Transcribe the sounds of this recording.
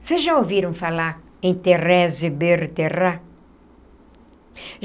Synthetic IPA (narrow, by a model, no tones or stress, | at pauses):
sezʒaoviɾɐ̃w̃falaɾ | ẽj̃t̪erɛzɪbeɾt̪era